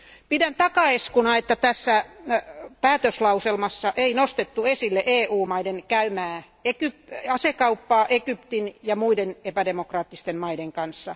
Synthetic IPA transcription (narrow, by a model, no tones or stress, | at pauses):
pidænt̪ɑkɑeskunɑet̪ːæt̪æsːæ | pæːt̪øslɑuselmɑsːɑʔeinost̪et̪ːuesilːeʔeːuːmɑidenkæymæː | ekypɑsekɑupːɑːʔekypt̪injɑmuidenepædemokrɑːt̪ːist̪emmɑideŋkɑnsːɑ